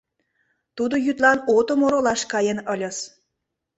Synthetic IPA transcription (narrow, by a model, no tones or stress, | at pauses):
t̪ud̪ojyt̪lɑnot̪omoɾolɑʃkɑjənɤlʲə̆s